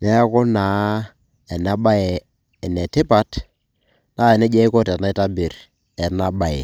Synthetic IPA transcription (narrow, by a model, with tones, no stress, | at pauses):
nɛ˦a˦kɔ˦na˨˦ | ɛ˨na˦ba˦ɛ˨ | ɛ˨nɛ˨tɪ˦pa˦t | na˦ɛ˨nɛ˦d͡ʒɛ˦i˦kɔ˦te˨na˦i˦ta˦bi˨ɾ | ɛ˨na˦ba˨e˨